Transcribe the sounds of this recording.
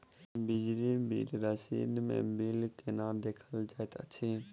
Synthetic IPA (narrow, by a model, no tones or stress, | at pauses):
bɪd͡ʒɾibḭlɾəʃḭːd̪mḛ̃ːbilkenãːd̪eːkʰəld͡ʒaːjt̪ə̰t͡ʃʰiː